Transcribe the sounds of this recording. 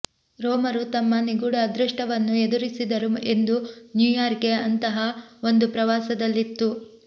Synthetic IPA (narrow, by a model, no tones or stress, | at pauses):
ɾɔːmɐɾut̪ɐmːɐniɡuɽɐd̪ɾuʂʈɐʋɐnːued̪uɾisid̪ɐɾume̞nd̪unjuːjaːɾkeɐnt̪ɐɦɐo̞nd̪upɾɐʋaːsɐd̪ɐlːit̪ːu